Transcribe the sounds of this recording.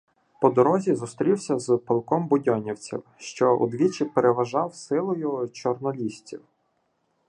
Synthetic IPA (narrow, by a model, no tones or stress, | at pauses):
pɔd̪ɔɾɔzʲizʊst̪ɾʲiwsʲɐzpɐlˠkɔmbʊdʲɔnʲiwt͡sʲḭwʃt͡ʃɔʔʊ̰d̪ʋʲit͡ʃɪpeɾeʋɐʒɑwsɪlˠʊjʊt͡ʃɔrnɔlʲisʲt͡sʲḭw